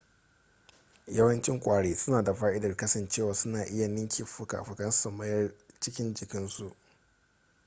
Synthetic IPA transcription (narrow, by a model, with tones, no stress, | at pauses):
jɐ˦wɐ˦nt͡ʃɪ˦ŋkʷʼaː˨ɽeː˦sʊ˦naː˨da˨ɸaː˦ʔɪ˦dɐ˨rkɐ˦sɐ˨nt͡ʃeː˦˨waː˨sʊ˦naː˨ʔɪ˦ja˨nɪ˦ŋkʲʰi˨ɸʊ˦ka̰ː˨ɸʊ˨kɐ˦n˦sɐ˨mɐ˦jɐ˦rt͡ʃɪ˦kʲɪ˦nd͡ʒɪ˨kʲɪ˦nsu˨ʔ